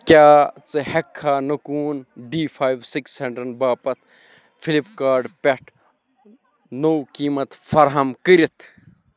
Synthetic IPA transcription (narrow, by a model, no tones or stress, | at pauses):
kʲjaːt͡sɨhɐkʰːaːnɐkuːnɖiːfʰaːjʋsikseɳɖɾɐnbaːpɐt̪̚ʰ | fʰilipkaːɾɖpʲeʈʰ | noːkiːmɐt̪fɐɾɦɐmkəɾit̪ʰ